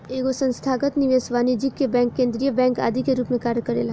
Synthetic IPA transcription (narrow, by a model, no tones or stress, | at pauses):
eɡosə̃nst̪ʰaɡət̪niʋesʋaːnid͡ʒikːebɛ̃ːŋkːẽːnd̪ɾijəbɛ̃ːŋka̰ːd̪ʱikeɾuːpmẽkaːɾjəkəɾḛlɦ